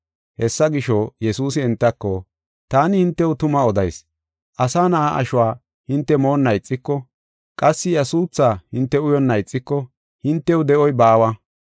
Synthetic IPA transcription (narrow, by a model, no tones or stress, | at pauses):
hɛsːɐɡɪʃɔjɛsuːsɪɛnt̪ːɐkːɔ | t̪aːnɪhɪnt̪ːɛwʊt̪ʊmɐɔd̪ɐjs | ʔɐsaːnɐʔaʔɐ̰ʃʊwaː | hɪnt̪ːɛmo̞ːnːɐjt͡sʼːɪkːɔ | kʼɐsːɪjɐsuːt͡sːaːhɪnt̪ːɛʊjɔnːɐjt͡sʼːɪkːɔ | hɪnt̪ːɛwd̪ɛʔɔjbaːwɐ